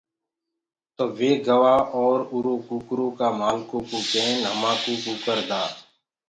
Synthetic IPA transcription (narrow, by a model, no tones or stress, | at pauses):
t̪oːʋeːɡəʋaːʔɔːɾuɾõːkuːkɾõːkaːmaːlkõːkoːkɛːnɦəmãːkoːkoːkəɾd̪aː